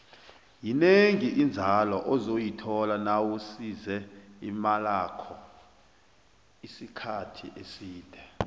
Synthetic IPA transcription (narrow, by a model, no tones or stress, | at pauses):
jineŋiʔind͡zʱalɔʔɔzojitʰɔlanawusizɛḭmalakʰɔ | isikʰatʰḭʔesiːd̥ʱɛ